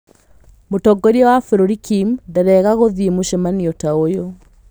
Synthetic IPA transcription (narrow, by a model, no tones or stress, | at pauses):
motɔɡɔɾiɔwafɛɾoɾikimdɛɾɛɣaɣoðimuʃemaniotaojo